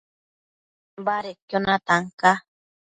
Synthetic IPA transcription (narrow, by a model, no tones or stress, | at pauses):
baɾekonat̪aŋka